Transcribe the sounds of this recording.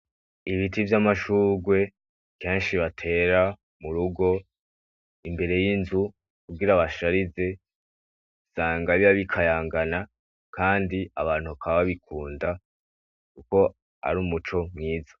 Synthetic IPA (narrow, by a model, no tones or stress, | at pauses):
iβitivjamaʃuːɡwe̞ | ke̞ːnʃiβatʰe̞ːɾa | muɾuɡo̞ | imbe̞ɾe̞jinzu | kubɡiɾaβaʃaɾize̞ | saːŋɡaβiβaβikʰajaːŋɡana | kaːndiaβaːn̥uβakaβaβaβikʰuːnda | kuko̞ | a̰ɾuːmut͡ʃo̞mŋiːzḁ